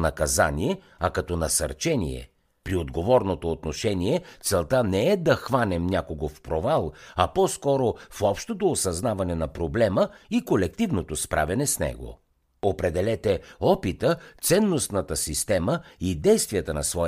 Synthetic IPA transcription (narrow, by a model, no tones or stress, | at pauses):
nɐkɐza̰niɛ | ɐkɐt̪ɔnɐsɐ̰ɾt͡ʃɛnḭɛ̰ | pɾiod̪ɡovɔɾnot̪oːt̪noʃɛniɛt̪sɛlˠt̪anɛɛd̪ɐxvanɛmnʲakoɡofpɾovalˠɐpɔskɔɾofɔpʃt̪ot̪oːsɐznavɐnɛnɐpɾoblɛməikolɛk̚t̪ivnot̪ospɾʔa̰vʲɐnɛsnɛ̰ɡo̰ | opɾɛd̪ɛlɛt̪ɛɔpit̪ət̪sɛnːosnɐt̪əsist̪ɛməid̪ɛjst̪vijət̪ənɐsvɔ